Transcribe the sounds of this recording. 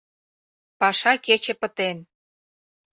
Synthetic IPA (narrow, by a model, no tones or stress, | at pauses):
pɑʃɑket͡ɕĕpə̆t̪en